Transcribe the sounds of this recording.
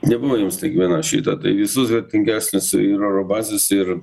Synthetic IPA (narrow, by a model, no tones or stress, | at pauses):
nʲɛbʊʋojʊmstʲiɛkʋʲiɛnɑʃʲḭːt̪ɐt̪ɐɪʋʲɪsʊsʋʲɛɾʲt̪ʲɪŋʲɡʲæːsʲnʲʊsɪɾoɾobɑːzʲɪsɪɾ